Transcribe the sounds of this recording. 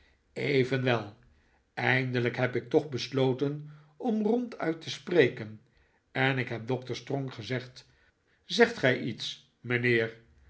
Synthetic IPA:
ejvənʋɛlˠ | ɛjndələkɦɛpɪk̚tɔχbəsloːwtən | ɔmrɔntʰœ̰ɥtʰəsprejkən | ɛnɪkɦɛp̚dɔk̚təɹstrɔŋχəzɛχt | zɛχtχɛjʔits | mənɪːr

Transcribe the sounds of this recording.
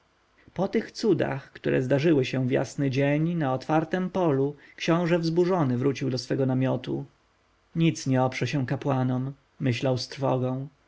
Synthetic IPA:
pɔt̪ɘxt̪sud̪a̰xkt̪uɾʔɛ̰zd̪aʐɘwɘɕɛvja̰snɘd͡ʑeɲnaɔt̪faɾt̪ɛmpɔlukʃɕɔ̃w̃ʐɛvzbuʐɔnɘvɾut͡ɕiwd̪ɔsfɛɡɔnamʲjɔt̪u | ɲit̪sɲɛɔpʂɛɕɛ̃kapwanɔmː | ɘɕlawst̪ɾfɔɡɔ̃w̃

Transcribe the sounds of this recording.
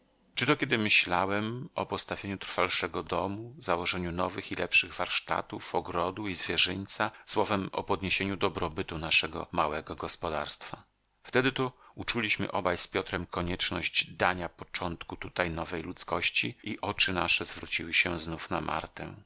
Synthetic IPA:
t͡ʂɨt̪ɔkʲɛd̪ɘmɘɕlawɛmɔ̰pɔst̪avʲjeɲut̪ɾfalʂɛɡɔd̪ɔmuzawɔʐɛɲunɔvɘxilɛpʂɘɣvaɾʂt̪a̰t̪ufɔɡɾɔd̪uizvʲjɛʐɛɲt̪saswɔvɛmɔ̰pɔd̪ɲeɕeɲud̪ɔbɾɔbɘt̪unaʂɛɡɔ̰mawɛɡɔɡɔspɔd̪a̰ɾst̪fa | ft̪ɛd̪ɘt̪ɔut͡ʂulʲiɕmɘ̰ʔɔbajspʲjɔt̪ɾɛmkɔɲɛt͡ʂnɔʑd͡ʑd̪aɲapɔt͡ʂɔnt̪kut̪ut̪ajnɔvɛjlut̪skɔɕt͡ɕiiʔɔt͡ʂɘnaʂɛzvɾut͡ɕiwɘɕɛznufnama̰ɾt̪ɛ̰

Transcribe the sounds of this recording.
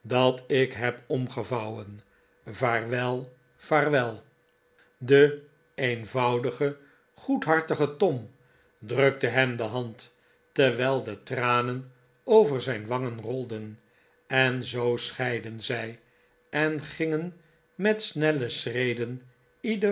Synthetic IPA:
dɑtɪkɦɛpɔmχəvɑwən | vaːrʋɛlˠ | faːrʋɛlˠ | də | ejnvɑwdəχə | χutɦɑɹtəχətɔm | drɵk̚təɦɛmdəɦɑnt | təʋɛːlˠdətraːnən | owvəɹzɛjnʋɑŋənrɔlˠdən | ɛnzowsχɛjdənzɛj | ʔɛnχɪŋən | mɛtsnɛləsrejdən | idə

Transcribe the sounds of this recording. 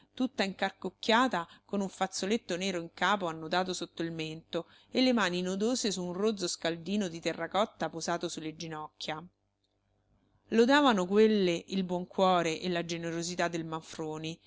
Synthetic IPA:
t̪ut̪ːaiŋkarkokːjaːt̪akonuɱfat̪sːolet̪ːoneːɾoiŋkaːpoanːot̪aːt̪̬osot̪ːoilment̪o | elːemaːninod̪oːzesuːnroːd̪zoskald̪iːnod̪it̪erːakɔt̪ːapozaːt̪osulːed͡ʒinɔkːja | lod̪aːvanokwelːeʔilbwɔŋkwɔːɾeʔelːad͡ʒeneɾozit̪ad̪ːelmaɱfɾoːni

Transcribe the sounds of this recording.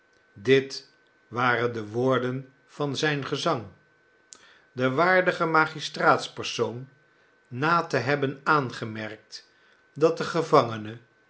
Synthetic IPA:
dɪt | ʋaːrəndəʋʊːɹdən | v̥ɑnzɛjnχəzɑŋ | dəʋaːɹdəχəmaːχistraːtspəɹsownː | aːtəɦɛbənaːnχəmɛɹk̚t | dɑt̚əχəvɑŋənə

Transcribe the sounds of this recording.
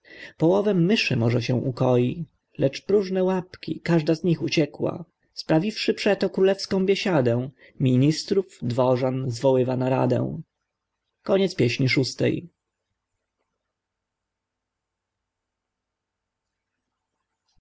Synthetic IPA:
pɔwɔvɛmːɘʂɘmɔʐɛɕɛ̃ʔukɔji | lɛt͡ʂpɾuʐnɛwapkʲḭkaʐd̪azɲixut͡ɕɛkwa̰ | spɾavʲifʂɘpʂɛt̪ɔkɾulɛfskɔ̃w̃bʲjɛɕad̪ɛ̃ | mʲiɲist̪ɾuvd̪vɔʐanzvɔwɘvanaɾa̰d̪ɛ̰̃w̃ | kɔɲɛt̪spʲjɛɕɲiʂust̪ɛ̰j

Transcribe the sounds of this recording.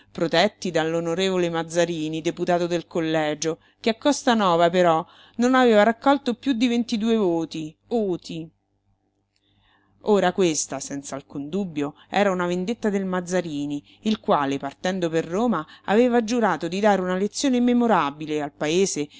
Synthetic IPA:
pɾot̪ɛt̪ːid̪alːonoɾeːvolemad̪zːaɾiːnid̪eput̪aːt̪od̪elkolːɛːd͡ʒo | keakːɔst̪anɔːvapeɾɔ | nonaveːvaɾakːɔlt̪opjud̪ːivent̪id̪uːevoːt̪i | voːt̪i | oːɾakwest̪asɛnt̪saːlkund̪ubːjo | ɛ̰ːɾaunavend̪et̪ːad̪elmad̪zːaɾiːni | ilkwaːlepart̪ɛnd̪operːoːmaaveːvad͡ʒuɾaːt̪od̪id̪aːɾeunalet̪sːjoːnemːemoɾabilealpaeːze

